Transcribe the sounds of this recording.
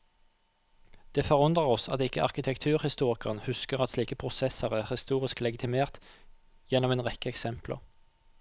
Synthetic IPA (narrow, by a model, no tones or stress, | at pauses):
d̪̥eːfɔʁʊnd̪ʁəʁɔsɑt̪ɪkːəʔɑʁkɪt̪ʰɛkt̪ʰʉːʁhɪst̪uːʁɪkəʁənhʉskəʁɑt̪sliːkəpʰʁʊsɛsəʁæʁhɪst̪uːʁɪsklɛɡɪt̪ʰɪmeːʁt̪ | jɛnɔmeːnʁɛkəɛksɛmplə̰ʁ